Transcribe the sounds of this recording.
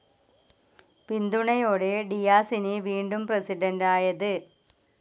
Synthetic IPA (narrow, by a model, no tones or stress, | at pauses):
pind̪uɳɐjoːɽeɖijaːsinɨʋiːɳɖumprɐsiɖɐndaːjɐðɨ